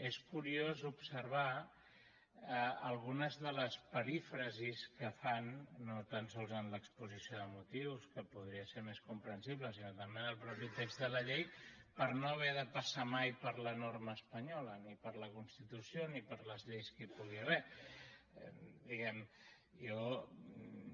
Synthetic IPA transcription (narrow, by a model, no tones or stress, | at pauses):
eskuɾiozupsəɾβ̞a | əlˠɣunəzðələspəɾifɾəziskəfanːot̪ansɔlˠzənləkspuzisioðəmut̪iwskəpuð̞ɾiəseɾmeskumpɾənsiβləsinot̪əmbenəlˠpɾɔpit̪ekzd̪ələʎejpəɾnoəβ̞ɛðəpəsamajpəɾlənoɾməːspəɲɔlənipəɾləkunst̪it̪usionipəɾləzʎejskipuɣ̞irɛ | d̪iɣɛm | jɔ